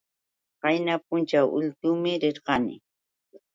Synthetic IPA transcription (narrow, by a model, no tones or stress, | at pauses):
ɢɑjnap̚ʊnt͡ʃawʔʊ̰ʎt̪ʊːmɪɾɪɾɢɑnɪ̰